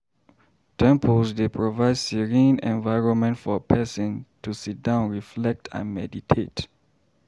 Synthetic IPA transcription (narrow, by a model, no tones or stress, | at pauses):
tʰɛ̃mpʰɔlsdepʰɹɔvaɪdsiɹĩnɛ̃nvaɪɹɔ̃nmɛ̃ntfɔpʰɛsɔ̃ntʰusit̚dãʊ̃nɹiflɛk̚tʰã̰nmɛditʰet